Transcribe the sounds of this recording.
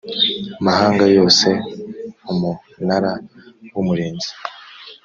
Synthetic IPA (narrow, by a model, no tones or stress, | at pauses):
amahaːŋɡajo̞ːse̞ | umu | naɾawumuɾeːnzi̥